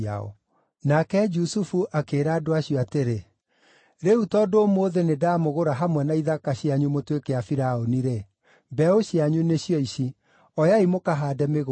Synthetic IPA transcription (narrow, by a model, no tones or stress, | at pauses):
a̰ɔ̰ | nakɛd͡ʒusufuʔakeːɾaːdoaɕjɔateɾe | ɾeutɔːdomoːðenedamoɣoɾaɦamwɛnaiðakaɕjaɲumotwekɛafiɾaoniɾe | mbɛoɕjaɲuneɕjɔiɕi | ɔjaimokaɦaːdɛmeɣ